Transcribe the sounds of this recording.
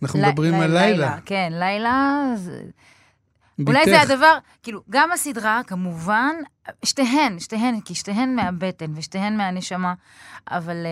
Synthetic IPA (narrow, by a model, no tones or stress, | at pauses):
anaχnumbʁimalajlakenlajlae | ulajead̪avaʁ | kiːluɡamasidʁakamuvan | ʃt̪eɦenʃt̪eɦenkiʃt̪eɦenmeabe̞te̞nveʃt̪ehe̞nmeane̞ʃama | a̰val